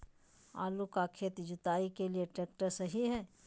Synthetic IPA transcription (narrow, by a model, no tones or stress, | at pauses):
a̰ːlukakʰeːt̪d͡ʒʊt̪aːikelieʈeːk̚ʈəɾsɐɦiɦɛː